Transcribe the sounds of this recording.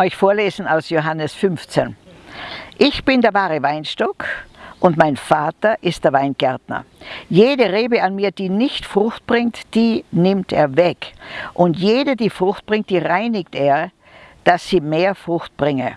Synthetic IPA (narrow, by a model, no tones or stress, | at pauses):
ʔɔʏçfoːɐleːzn̩aʊsjoɦanəsfʏnft͡sen | ʔɪçb̥ɪndeːɐvaːʁəvaɪnʃtɔkʔʊntmaɪnfaːtɐʔɪstd̥eɐvaɪnɡ̥ɛɐtnɐ̰jeːdəʁeːbəanmiːɐd̥iːnɪçtfʁ̥ʊxt̚b̥ʁɪŋtd̥iːnɪmtḛːɐvɛkʔʊntjeːdədiːfʁ̥ʊxt̚b̥ʁɪŋt̚d̥iːʁaɪnɪkteːɐ | d̥asːiːmeːɐfʁ̥ʊxt̚b̥ʁɪŋə